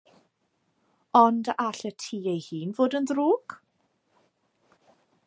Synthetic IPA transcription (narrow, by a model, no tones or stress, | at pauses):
ɔndaɬətʰiːejhiːnvoːdənðruːɡ̥